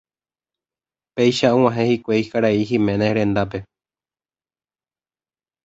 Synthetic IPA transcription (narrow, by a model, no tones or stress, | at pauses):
pejʃaũw̃ãɦẽhikʷeikaɾaiɦĩmẽnẽɾẽ̞nd̪ap̬e̞